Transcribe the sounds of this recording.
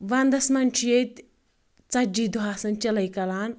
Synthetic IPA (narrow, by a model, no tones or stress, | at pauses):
ʋand̪ɐsmɐnʲt͡ʃʰjet̪ʲ | t͡sɐd͡ʒiːd̪uɦaːsɐnt͡ʃɐlɐjkɐlaːn